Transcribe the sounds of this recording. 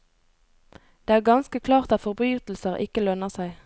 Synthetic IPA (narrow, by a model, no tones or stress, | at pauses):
d̪̥eːæːʁɡɑnskəkʰlɑːʁt̪ɑt̪fɔʁbʁyːt̪l̩səʁʔɪ̰kəlœnəʁsæɪ